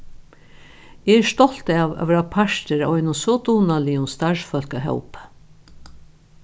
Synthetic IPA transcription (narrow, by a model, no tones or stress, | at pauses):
eɛʂt̪ɔl̥t̪aːʋa̰ʋɛɾapʰaʂt̪əɾaɔjnʊsɔt̪uːnaliʊmst̪aʃfœl̥kəɦœ̰wp